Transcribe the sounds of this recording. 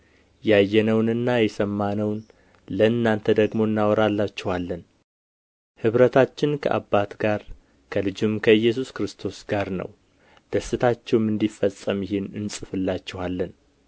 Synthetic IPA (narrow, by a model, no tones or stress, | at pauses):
jajːɛnəwnɨnːajɛsəmːanəwn | ləɨnːant̪ʰəd̪əɡmo̞ɨnːawɔɾalːat͡ʃːɛwalːən | hɨβɾət̪ʰat͡ʃːɪnkʰə̰ʔa̰bːat̪ɡaɾ | kʰəlɨd͡ʒɪmkʰəɨjːɛs̬uskɾɨst̪ʰo̞sɡ̥aɾnə̰w | d̪̥əsːɨt̪ʰat͡ʃːɛwmɨnd̪ifəsʼːəmjɪhɪnɨnsʼɨfɨlːat͡ʃːɛwalːən